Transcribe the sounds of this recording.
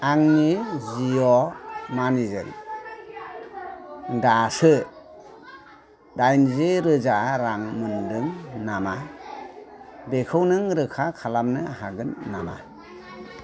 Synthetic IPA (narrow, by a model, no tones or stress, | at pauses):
aŋniziɔmanizɯ̰n | dasɯ | dajnzeɾɯzaɾaŋmɯndɯŋnama | bekʰɯwnɯŋɾɯkʰakʰalamnɯaɦaɡɯnːama̰